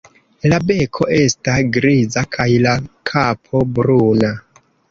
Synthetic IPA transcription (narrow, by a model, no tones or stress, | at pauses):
labe̞kʰo̞ʔe̞stasɡɾizakʰajlakʰapʰo̞bɾuna